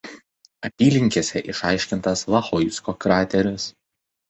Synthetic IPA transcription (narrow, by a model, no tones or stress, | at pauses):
ɐp̪ʲiːlʲɪŋʲkʲeːsʲɛʔɪʃɑˑɪʃʲkʲɪnt̪ɐslˠɐxɔjskoːkɾɑːt̪ʲɛɾʲʊs